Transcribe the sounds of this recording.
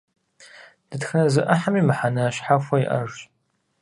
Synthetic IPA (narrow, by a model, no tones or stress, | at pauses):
d̥ɨtxɐnɐzɨʔɐħamiːmɨħanɐɕħafʷɐjiʔɐ̰ʒ